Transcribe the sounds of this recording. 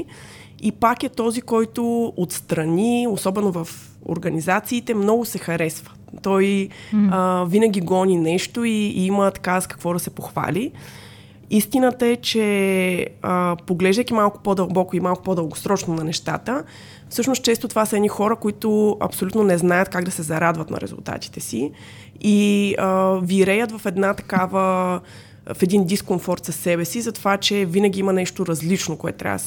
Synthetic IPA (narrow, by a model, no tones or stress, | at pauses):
ipakɛt̪ɔzikɔjt̪ʊot̪st̪ɾɐniosɔbɛnovɐf | o̰ɾɡɐnizat̪siːt̪ɛmnɔɡʊsɛxɐɾɛsvə | t̪ɔjəvinəɡʲiɡɔninɛʃt̪oiimət̪kaskɐ̥kvɔd̪ɐsɛpoxva̰lʲi | ist̪inət̪əɛt͡ʃɛ | əpoɡlɛʒd̪əjkʲimalˠkʊ̥pod̪əlˠbɔkʊimalˠkʊpod̪əlˠɡosɾɔt͡ʃnonɐnɛʃt̪a̰t̪ə | fsɤʃnos̚t͡ʃɛst̪ot̪ovasəɛnixɔɾəkoit̪ʊɐ̰psolʲut̪nonɛznajət̪̚kaɡd̪ɐsɛzɐɾad̪vɐt̪nɐ̰ɾɛ̰zṵlˠt̪a̰t̪i̥t̪ɛsi | iəviɾɛjət̪vɐfɛd̪nat̪ɐkavə | fɛd̪ind̪iskonfɔɾt̪sɐsːɛbɛsizɐt̪ovat͡ʃɛvinəɡʲiimɐnɛʃt̪oɾɐzlit͡ʃnokoɛ̰t̪t̪ːɾʲa̰v